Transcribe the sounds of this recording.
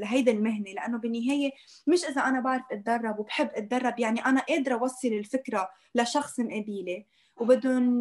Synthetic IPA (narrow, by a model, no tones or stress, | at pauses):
laɦajd̪almɪɦnelaʔanːobɪnːɪɦeːje | mɪʃʔɪzaʔanabaʕɾˤɪfʔɪt̪̚d̪ɑrˤːɑbwbħɪbːʔɪt̪̚d̪ɑrˤːɑbjaʕniʔanaʔeːd̪ɾɑwɑsˤːɨlɪlfɪkɾa | laʃɑxsˤɪnʔab̪iːle | wbɪd̪ːʊn